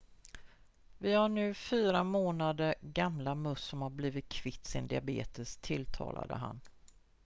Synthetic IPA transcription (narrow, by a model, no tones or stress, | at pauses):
vɪhaɳʉ̟ːfyːɾamoːnad̪əɡamlamɵsːɔmhaɾbliːvɪt̪̚kʰvɪt̪ːsɪnd̪ɪabḛːt̪əst̪ʰɪlt̪ʰɑ̰ːla̰d̪ə̰ɦa̰n